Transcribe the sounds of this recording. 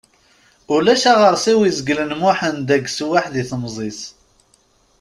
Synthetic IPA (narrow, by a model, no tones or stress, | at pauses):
ʊlæʃaʁəɾˤsiwizəɡlənmʊħənd̪æɡswaħðiθəmzˤis